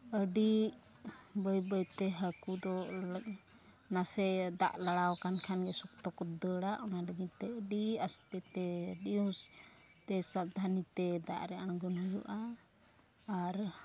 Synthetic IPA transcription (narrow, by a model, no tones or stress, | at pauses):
əɖi | bəjbəjt̪ɛɦəkud̪ɔ | nasɛd̪a̰ʔlaɽawkankʰanɡɛsɔk̚t̪ɔkɔd̪əɽaʔɔnaləɡit̪ɛəɖiast̪ɛt̪ɛəɖius | t̪ɛsab̚d̪ʱanit̪ɛd̪a̰ʔɾɛʔanɡɔnujuʔa | ɾ